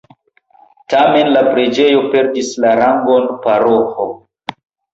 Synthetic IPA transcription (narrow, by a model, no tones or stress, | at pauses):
tame̞nlapɾe̞d͡ʒe̞jo̞pe̞ɾdislaɾaŋɡo̞npaɾoho